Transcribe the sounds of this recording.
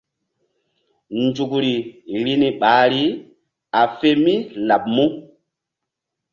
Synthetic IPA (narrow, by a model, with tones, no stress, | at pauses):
nd͡ʒu˨kɾi˨ɾi˦ni˨ɓaː˨˦ɾi˦ | a˨fe˦mi˦la˨p̚mu˦